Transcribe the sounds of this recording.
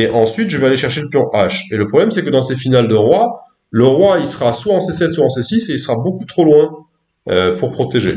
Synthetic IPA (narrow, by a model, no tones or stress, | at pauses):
eʔɑ̃sɥit̪ʒəvɛaleʃɛʁʃeləpjɔ̃ʔaʃeləpχɔblɛmsɛkəd̪ɑ̃sefinald̪əʁwa | ləʁwailsəʁaswaɑ̃sesɛt̪suɑ̃sesiseilsəʁabokut̪χolwɛ̃ | øpuʁpχɔt̪eʒe